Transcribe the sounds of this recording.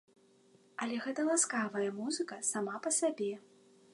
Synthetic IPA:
ɐlʲɛɣɛt̪ɐlˠaskavɐjɐmuzɨkɐsamapɐsabʲɛ

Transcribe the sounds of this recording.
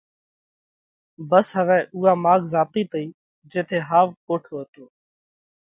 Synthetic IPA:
bəsɦəʋɛːʔuːaːmaːɡzaːt̪iːt̪əiː | d͡ʒeːt̪ʰeːɦaːʋkoːʈʰoːɦət̪oː

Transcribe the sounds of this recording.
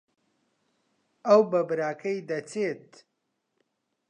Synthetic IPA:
ɐwbɐbɨɾaːkʰɐjd̪ɐt͡set̪

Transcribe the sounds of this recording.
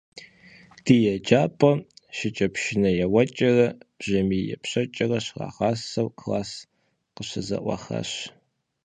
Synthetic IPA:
d̥iːjɛd͡ʒaːpʼɐʃɪt͡ʃʼɐpʃɪnɐjɛwɐt͡ʃʼɐrɐb̥ʑɐmijɛ̰pʰɕɐt͡ʃʼɐrɐɕra̰ːʁaːsɐwkʰlaːs | qəɕɐzɐ̰ʔʷɑ̰χɐ̰ɕ

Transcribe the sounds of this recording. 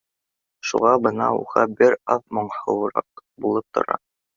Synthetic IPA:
ʃṵʁɑbɤnɑṵʁɑbɘɾɑfmŏɴhɤ̆wɾɑ̰qbulˠɤp̚t̪ʰŏ̰ɾɑ̰

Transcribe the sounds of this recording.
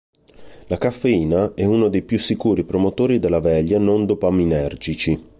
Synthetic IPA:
lakafːeiːnaɛunod̪ejpjusːikuːɾipɾomot̪oːɾid̪elːavɛʎːanond̪opaminɛrd͡ʒit͡ʃi

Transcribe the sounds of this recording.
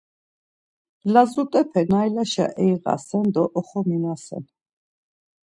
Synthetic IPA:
lazut̪ʼɛpʰɛnajlaʃa̰ʔɛjʁa̰sɛnd̪ɔʔɔχɔminasɛ̰n

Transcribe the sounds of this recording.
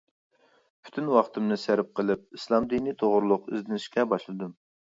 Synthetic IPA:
pʰy̥t̪ʰynwɑχt̪ʰɨmnɨsæɾp̚qəlˠɨp̚islˠɑmd̪init̪ʰoʁʊɾlˠʊqy̰zd̪ɪnɪʃkʲɛbɑʃlˠɨd̪ɨm

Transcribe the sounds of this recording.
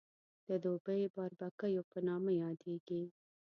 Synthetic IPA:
d̪̥əd̪obəjbɑɾbakajopənɑmajɑd̪eɡi

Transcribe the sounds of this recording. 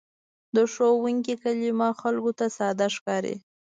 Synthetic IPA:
d̪əʂowuŋkikalimɑxalkot̪asɑd̪aʂkɑɾḛ

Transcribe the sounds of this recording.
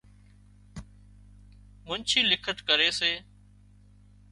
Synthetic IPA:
mʊnt͡ʃʰiːlɪkʰət̪kəɾeːseː

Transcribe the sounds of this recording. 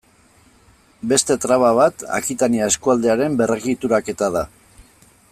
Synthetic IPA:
be̞st̪e̞t̪ɾaβaβ̞at̪a̰kit̪aniae̞skuald̪eaɾe̞mbe̞reɣit̪uɾake̞t̪aða

